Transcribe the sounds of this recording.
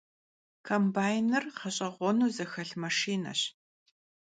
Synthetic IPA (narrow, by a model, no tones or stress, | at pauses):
kʰɐmbaːjnɨrqʰɐɕʼɐʁʷɔnuːzɐxɐɬmɐʂiːnɐ̰ɕ